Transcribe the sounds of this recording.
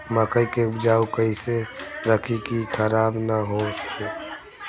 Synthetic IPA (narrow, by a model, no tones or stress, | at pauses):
makəikeʊpd͡ʒaːukəiseɾəkʰikikʰəɾaːbnəɦosə̥ke